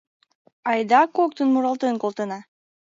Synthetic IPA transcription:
ɑjd̪ɑkok̚t̪ənmuɾɑlˠt̪ɯnkolˠt̪ɤnɑ

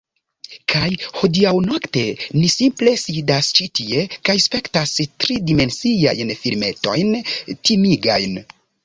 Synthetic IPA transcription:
kʰajho̞diawno̞kte̞nisimple̞sidast͡ʃitʰie̞kajspe̞ktastɾidime̞nsia̰jnfiɾme̞to̞̰jntimiɡa̰jn

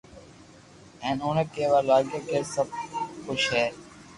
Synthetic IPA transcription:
ɛ̃ːnoːnẽkeːʋaːɾlaːɡeːkeːsəb̚xʊʃɦɛː

